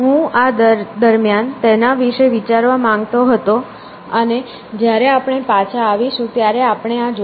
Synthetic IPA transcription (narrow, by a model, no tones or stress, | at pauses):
ɦũad̪əd̪əɾmjant̪enaʋiʃeʋit͡ʃaɾʋamãŋɡt̪oɦət̪o | əne | d͡ʒjaɾeapɳ̃epat͡ʃʰaːʋiʃũt̪jaɾeapɳ̃eãd͡ʒ